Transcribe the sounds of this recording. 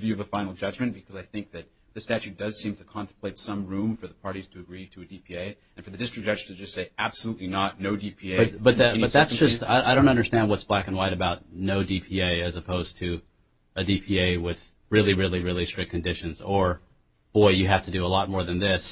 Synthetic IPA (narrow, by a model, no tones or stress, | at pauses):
vjʉʌvəfãɪ̃nl̩ˠd͡ʒʌd͡ʒmɨ̃nb̥ɨkʰʌzaɪθɪ̃ŋk̚ðɨt̪̚ | ðɨstæt͡ʃʉt̚d̥ʌz̥sĩmtʰɨkʰɑ̃ntə̃m̩pʰleɪtsʌ̃mɹũɱfə˞ðəpʰɑɹɾiz̥tʰɨːɡɹiɾɨɨdipʰieɪ | ɨ̃nfə˞ðɨdɪstɹɨk̚d̥ʌd͡ʒtʰɨd͡ʒʌstseɪæb̥səlutˡlinət̚ⁿnoʊdipʰieɪʌb̥ʌt̪̚ðɨbʌt̪̚ðætsʒ̥ʌsta̰ɪaɪɾõʊ̃ntʌ̃ndə˞stæ̃nd̚wʌtsb̥lækɨ̃n̩waɪɾɨbaʊt̚ⁿnoʊdipʰieɪɨzɨpʰoʊz̥tʰɨ | ɨdipʰieɪwɪð̥ | ɹɪlˠiɹɪlˠiɹɪlˠistɹ̥ɪk̚kʰɨndɪʃɨ̃nzə˞ | b̥ɔɪjɨɦæftɨdɨəlɔt̚mɔɹðɨ̃nðɪs